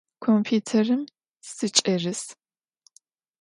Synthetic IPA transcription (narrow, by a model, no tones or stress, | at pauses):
kʷʰompʰuːtʰɐrɨm | sɨt͡ʃʼɐrɨs